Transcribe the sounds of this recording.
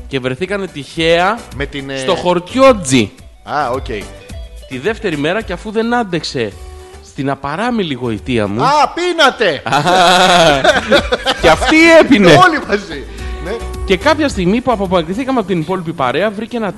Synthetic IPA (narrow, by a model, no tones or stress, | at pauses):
ce̞vɾe̞θikɐne̞t̪içe̞ɐmet̪inst̪o̞xo̞ɾt̪jo̞d͡zi | ɐoceji | t̪iðe̞ft̪e̞ɾime̞ɾɐceɐfuðe̞nɐnd̪e̞kse̞ | st̪inɐpɐɾɐmiliɣo̞it̪iɐ̰muɐpinɐt̪e̞ɐ | ceɐft̪ie̞pineolimɐzi | nece̞kɐpçɐst̪iɣmipuɐpopɐkɾiθikɐmeɐpot̪inipo̞lipipɐɾe̞ɐvɾiceenɐ